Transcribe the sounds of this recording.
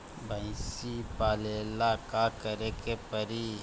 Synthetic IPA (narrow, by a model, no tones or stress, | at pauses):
bʱãɪ̃sipaːlelakakəɾekepəɾi